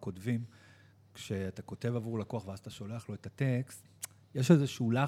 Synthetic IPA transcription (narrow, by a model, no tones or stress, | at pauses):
ko̞tvim | kʃe̞atako̞te̞vavuʁlakoaχveazat̪aʃo̞le̞aχlo̞etatekst | jeʃezeʃula